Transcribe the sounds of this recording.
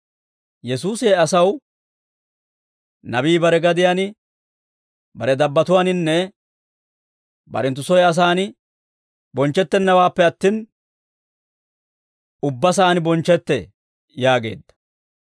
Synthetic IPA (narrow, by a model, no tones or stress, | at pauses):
jɛsuːseːɐsɐw | nɐbiːbɐɾɛɡɐd̪ɪjanɪ | bɐɾɛd̪ɐbːɐt̪ʊwaːnɪnːɛ | bɐ̰ɾɛnt̪ːʊsɔjɐs̬aːnɪ | bɔnt͡ʃːɛt̪ːɛnːɐwaːpːɛɐt̪ːiːn | ʊbːɐs̬aːnɪbɔnt͡ʃːɛt̪ːɛ | jaːɡe̞̰ːd̪ːɐ̥